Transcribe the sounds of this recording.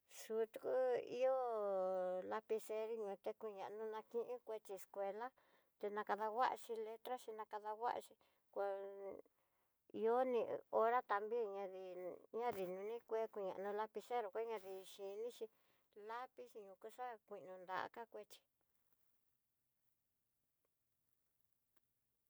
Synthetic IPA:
su˧t̪u̥˧ku˦ḭ˦o˦ | la˧pi˧se˧ɾi˦ɲũ˧t̪e˧kʷi˧ɲã˨ʔnũ˧nã˧kĩ˦ʔĩ˦kʷe˧t͡ʃi˧skʷe˧la˦ | t̪e˧nã˧ka˧ða˧wa˦ʔa̰˧ʃi˧le˦t̪ɾa˦ʃi˧nã˧ka˧ða˧ɣa̰˦ʔa̰˧t͡ʃi˧ | kʷa˧ | i˧o˦nĩ˧o˧ɾa˦t̪a˧mbi˦˧ɲã˧ði˧ɲã˦ði˨nũ˧nĩ˦kʷe˦kʷi˧ɲã̰˨˧nũ˧la˧pi˧se˦ɾo˧˨kʷe˦ɲã˧ði˧ʃi˧nĩ˦ʃi˧ | la˦pi˦ʃi˧ɲũ˧ku˧ʂa˦kʷi˨˧ʔnũ˧nd̪a̰˧ʔa̰˧ka˦kʷe˦t͡ʃi̥˧

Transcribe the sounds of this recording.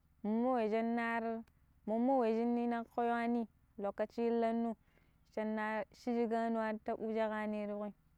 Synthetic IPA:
mu˨mːo˦we˨d͡ʒa˦nːa˦ɾ | mo˨mːo˦we˨d͡ʒi˦nːi˦na˦ko˦ja˦ni˦ | lo˨kːa˨t͡ʃi˦lːa˦nːu˦˨ | t͡ʃa˨nːa˦ʃi˦d͡ʒi˦ɡa˦nu˦wa˦ɾta˦ʔu˦d͡ʒa˦ɣa˦ni˦ɾu˦ɣi˦

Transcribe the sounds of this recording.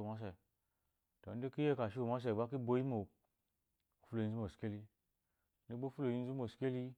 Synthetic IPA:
ma˦s̬e˨ | to˨n̩˦di˦ki˦je˦ka˨ʃi˦wo˨ma˦s̬e˨ba˦ki˦bo˦ji˦mo˨ | fu˦lo˨i˨˦zu˦mo˨ske˦li˧ | ni˦bo˦fu˦lo˨ji˧n˦zu˦mo˨ske˦li˦

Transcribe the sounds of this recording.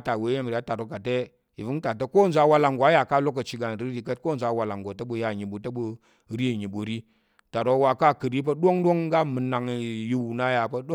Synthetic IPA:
ta˨we˨˦je˦m˨ɾi˨a˦ta˨ɾo˦ka˨te˦ | i˨vu˦ŋta˨te˦ko˦n̩˨zʷa˦wa˦la˨ŋɡʷa˦ja˨ka˦lo˦k̬ə˨t͡ʃi˨ɡa˨n˨ɾi˦ɾi˦kə˦t̚ko˦n˨zʷa˦wa˨la˨ŋɡo˨tə˦ɓu˦ja˨ɲi˨ɓu˨tə˦ɓu˦ | ɾi˦˨ɲi˨ɓu˨ɾi˦ | ta˨ɾo˦wa˨ka˦kɨ˨ɾi˦p̬ɐ˦ɗo˦ŋɗo˦ŋ˦ɡa˦mɨ˨na˨ŋ˨ji˦wu˨na˦ja˨pə˦ɗo˦

